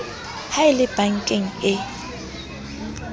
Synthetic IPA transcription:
haɪlɪb̥aŋ̩kʼɪŋ̩ɪ

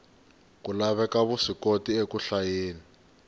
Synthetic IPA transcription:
kulaβɛkaβusikotiekuɬajeːni

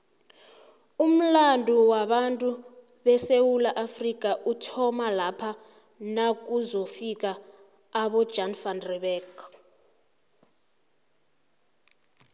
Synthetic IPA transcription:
um̩landʱuwaɓantʼu | ɓɛsewulaʔafrik̬ʼaʔutʰɔmalapʰa | nak̬uzofik̬ʼaː | ɓɔ̥d͡ʒʱanfanrɛɓɛːk

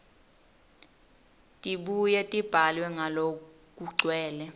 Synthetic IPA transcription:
tʼiɓujɛtʼib̥ʱalwɛŋʱalo | kʼuǀʱwɛːlɛ

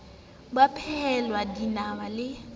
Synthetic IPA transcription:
ɓapʰɛlwadinamalɪ

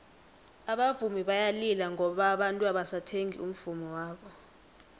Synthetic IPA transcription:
aɓavumiɓajalilaŋʱɔɓaɓantʼuaɓasatʰeŋḭum̩v̥umɔwaːɓɔ

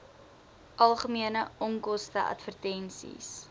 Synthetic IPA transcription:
ʔɐlˠχəmiənəɔŋkɔstəʔɐ̰tfərtɛnsḭs

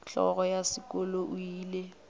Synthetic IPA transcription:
ɬɔ̰ɣɔjasɪkɔloʔuiːle

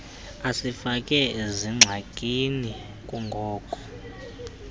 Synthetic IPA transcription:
asifakʼɛeziŋ͡ǁʱakʼini | kʼuŋɡʱɔːkʰʼɔ̥

